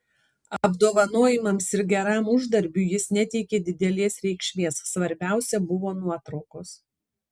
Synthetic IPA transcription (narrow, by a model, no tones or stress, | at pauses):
ɐbd̪oːʋɐnoːjɪmɐmsɪɾɡʲɛɾɑːmʊʒd̪ɐɾʲbʲuːjɪsnʲɛt̪ʲɛɪkʲeːd̪ʲɪd̪ʲɛlʲeːsɾʲɛɪkʃʲmʲeːsːʋɐɾʲbʲæˑʊsʲɛbʊʋoːnuɔt̪ɾɒʊkoːs